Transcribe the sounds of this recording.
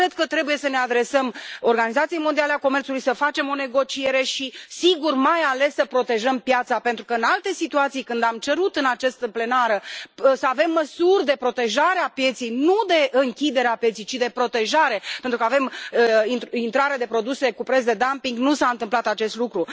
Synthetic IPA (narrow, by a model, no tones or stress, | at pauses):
ɾed̪̚kət̪ɾe̞buje̞səne̞ad̪ɾe̞səmo̞rɡanizat̪sijejmod̪ialeako̞me̞rt̪sulujsəfat͡ʃe̞mo̞ne̞ɡo̞t͡ʃie̞ɾe̞ʃisiɡurmajale̞sːəpɾo̞t̪e̞ʒəmpjat̪sape̞nt̪ɾukəɨnalt̪e̞sit̪uat̪sijkɨnd̪amt͡ʃe̞ɾut̪ɨnat͡ʃast̪əple̞naɾəsəave̞mːəsurʲd̪e̞pɾo̞t̪e̞ʒaɾeapje̞t̪sijnud̪e̞ʔɨŋkʲid̪e̞ɾeapje̞t̪sijt͡ʃid̪e̞pɾo̞t̪e̞ʒaɾe̞pent̪ɾukəave̞miint̪ɾaɾed̪e̞pɾo̞d̪use̞kupɾes̬d̪e̞d̪ampiŋɡnusaɨnt̪ɨmplat̪at͡ʃe̞st̪lukɾu